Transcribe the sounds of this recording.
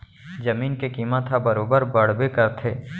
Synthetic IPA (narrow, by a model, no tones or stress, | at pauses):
d͡ʒɐmiːnkekiːmət̪ʰabɐɾoːbəɾbɐɽ̤bekəɾt̪ʰeː